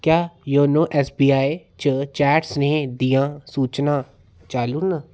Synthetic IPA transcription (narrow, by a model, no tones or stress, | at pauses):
kjaːjoːnõːʔɛːsbiːaːe | t͡ʃət͡ʃɛːʈsneːd̪ijãːsuːt͡ʃnãː | t͡ʃaːluːna